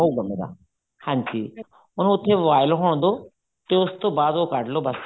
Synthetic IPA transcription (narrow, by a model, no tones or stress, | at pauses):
ɦoɡmeːɾa̰ | hãːɲd͡ʒiː | ʊñːʊt̪ʰːeʋaːɪloɦoːɽ̃d̪oː | t̪eʊst̪õːbaːd̪oːkəɖloːbəs